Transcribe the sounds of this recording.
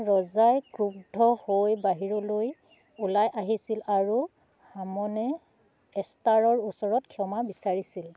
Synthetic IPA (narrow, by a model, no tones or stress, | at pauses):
ɹɔzajkɹub̚dʱɔhojbaɦiɹɔloj | ulajʔaɦisilaɹu | hamɔnɛ | ɛstaɹɔɹusɔɹɔtkʰɔmabisaɹisil